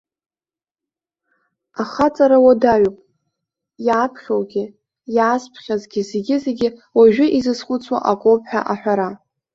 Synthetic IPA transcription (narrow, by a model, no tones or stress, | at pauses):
aχat͡sʼaɾawadaɥopʼ | jaːpʰχʲowɡʲɪ | jaːspʰχʲazɡʲɪzeɡʲɪze̞ɡʲɪwaʒᶣʊʔizɨsχʷʊt͡sʰʼwa̰ʔakʷʼowpʰħᶣa̰ʔaħʷᶣaɾa